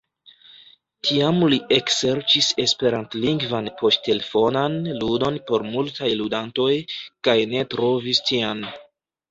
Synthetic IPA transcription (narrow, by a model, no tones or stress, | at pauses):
tʰiamliʔe̞kse̞ɾt͡ʃise̞spe̞ɾantliŋɡvanpʰo̞stte̞le̞fo̞nanludo̞npo̞ɾmultajludanto̞jkajne̞tɾo̞vistian